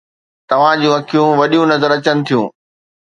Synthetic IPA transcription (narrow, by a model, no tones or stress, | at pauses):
t̪ɐʋ̤ãd͡ʑũɐkʰijũʋɐɗijũnɐzəɾɐt͡ɕənɪ̆t̪ʰijũː